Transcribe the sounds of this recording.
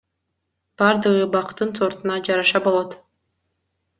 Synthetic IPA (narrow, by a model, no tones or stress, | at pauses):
b̥ɑɾd̪ɯʁɯbɑqt̪ːɯnso̞ɾt̪unɑd͡ʒɑɾɑʃɑbo̞lˠot̪